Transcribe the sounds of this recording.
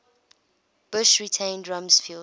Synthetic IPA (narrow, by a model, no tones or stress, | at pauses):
b̥ʊʃɹitʰẽɪ̃ndɹãmsfil